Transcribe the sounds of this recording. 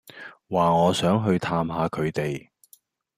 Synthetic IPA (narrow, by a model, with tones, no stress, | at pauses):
waː˨ŋɔː˨˧sœː˨˥ŋɦɵ˧ɥt̪ʰaː˧mɦaː˨˧kʰɵ˨˧ɥt̪e˨j